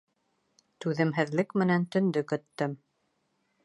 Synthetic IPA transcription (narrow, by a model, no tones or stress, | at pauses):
t̪ʉðɘ̆mɦɘ̆ðlɘkmɘ̆nænt̪ɵ̆nd̪ɵkɵ̆t̪ːɘm